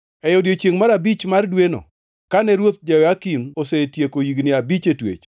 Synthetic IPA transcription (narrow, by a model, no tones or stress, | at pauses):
ɛjɔdjot͡ʃeŋmaɾabit͡ʃmardweno̰ | kanɛɾwot̪̚d͡ʒawakinosetjekojiɡnɪabit͡ʃetwḛt͡ʃ